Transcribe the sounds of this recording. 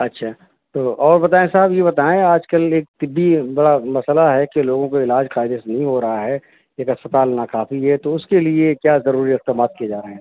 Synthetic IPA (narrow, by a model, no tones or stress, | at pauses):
ɐtːʃʰaː | t̪oːʔɔːɾbɐt̪aːẽsaɦəbjeβɐt̪aːẽaːd͡ʒkəleːk̚t̪ɪbːibɐɽamɐsəlaɦɛkeloːɡõkoɪlaːd͡ʒqaːɪd̪esenɐɦĩɦoɾɐɦaɦɛ | eːkɐspət̪aːlnakaːfiɦɛt̪oʊskeliekjaːzɐɾuːɾiɪqd̪əmaːt̪̚kied͡ʒaːɾɐɦẽɦɛ̃